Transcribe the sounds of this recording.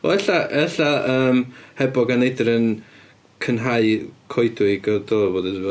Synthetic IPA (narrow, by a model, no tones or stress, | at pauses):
ɔ̰ɛɬaʔɛɬaəːmhɛbɔɡanejdɾən | kʰənɦaɨkʰɔjdɪɡɔdoːboːdəvɛ